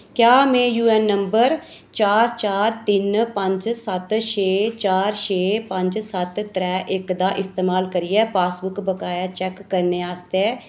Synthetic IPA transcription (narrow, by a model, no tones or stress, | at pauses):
kjaːmɛ̃ːjuːɛːnːəmbəɾ | t͡ʃaːɾt͡ʃaːɾt̪ɪnpə̃ɲd͡ʒsət̪ʃeːt͡ʃaːɾʃeːpə̃ɲd͡ʒsət̪t̪ɾɛːʔɪkd̪aːʔɪst̪eːmaːlkəɾijɛːpaːsbʊkbəkaːjaːt͡ʃɛːkːəɾneːaːst̪eɛː